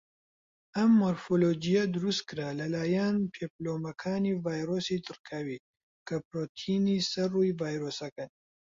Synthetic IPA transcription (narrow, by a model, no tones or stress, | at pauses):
ɐmːoɾfolod͡ʒijɐd̪ɨɾust̪̚kɨɾaːlɐlaːjanpʰeploːmɐkʰaːnivaːjɾoːsit̪ʰɨɾkʰawi | kʰɐpɾoːt̪ʰinisɐrujvaːjɾoːsɐkɐn